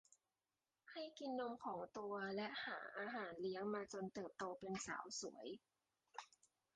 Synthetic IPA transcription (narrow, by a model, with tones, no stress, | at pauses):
ha˥˩jki˧nːo˧mkʰɔː˩˦ŋt̪u˧ɐlɛ˦˥ʔha̰ː˩˦ʔaː˧ɦaː˩˦nli˦˥əŋmaː˧t͡ɕo˧nt̪ɤː˨˩p̚t̪oː˧pe˧nsa̰ː˩˦wsu˩˦əj